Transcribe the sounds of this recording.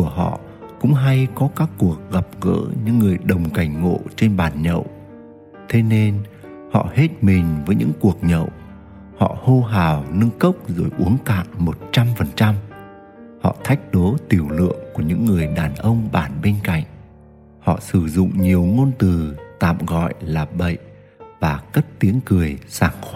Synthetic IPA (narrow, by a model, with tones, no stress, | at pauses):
ku˧˩əɦɔ̰˧˨ | kʊ̰˧˥ŋ͡mɦa˧jkɔ˨˦kaː˦˥kːu˨˩ək̚ɣa˨˩p̚ɣə̰ː˧˥ɲɨ̰˧˥ŋːɨ˨˩əjɗə˨˩wŋ͡mka˧˩jŋ̟ŋo̰˧˨t͡ɕe˧nɓaː˨˩nɲə̰˧˨w | t̪ʰe˨˦ne˧n | hɔ̰˧˨he˦˥t̚mï˨˩ŋ̟vəː˨˦jɲɨ̰˧˥ŋku˨˩ək̚ɲə̰˧˨w | hɔ̰˧˨ho˧ɦaː˨˩wnɨ˧ŋkə˦˥wk͡p̚zɨ̰˧˩jʔu˨˦əŋt̪a̰ː˧˨nmo˨˩t̚t͡ɕa˧mfə˨˩nt͡ɕa˧m | hɔ̰˧˨t̪ʰa˦˥jk̟̚ɗo˨˦t̪i˨˩əwlɨ̰˧˨əŋku˧˩əɲɨ̰˧˥ŋːɨ˨˩əjɗaː˨˩nʔə˧wŋ͡mɓaː˧˩nɓe˧nka̰˧˨jŋ̟̚ | hɔ̰˧˨sɨ˧˩zʊ̰˧˨ŋ͡mɲi˨˩əwŋo˧nt̪ɨ˨˩t̪a̰ː˧˨mɣɔ̰˧˨jlaː˨˩ɓə̰˧˨jʔ | vaː˨˩kə˦˥t̚t̪i˨˦əŋkɨ˨˩əjsaː˧˩ŋx